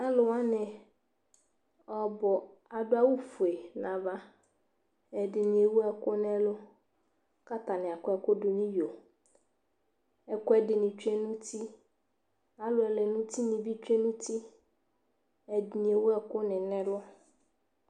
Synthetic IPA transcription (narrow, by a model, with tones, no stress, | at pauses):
a˦lʊ˨wa˦nɪ̃˨ | ɔ˨bɔ˨ | a˨dʊ˦a˦wu˦fu˨e˨nã˨va˦ | ɛ˨dɪ˨nɪ̃˨e˨wʊ˦ɛ˨kʊ˦nɛ˦lʊ˦ | ka˦t̪a˨nɪ̃˨a˨kʊ˦ɛ˨kʊ˦dʊ˨nĩ˦jo˨ | ɛ˨kʊ˦ɛ˨dɪ˨nɪ̃˨t͡ʃᶣɛ˦nũ˦tʰi˦ | a˨lʊ˨ɛ˨lɛ˨nʊ̃˦ti˦nɪ̃˨vi˦t͡ʃᶣe˦nũ˦ti˦ | ɛ˨dɪ˨nĩ˨e˨wu˦ɛ˨kʊ˦nɪ̃˨nɛ̃˦lʊ˦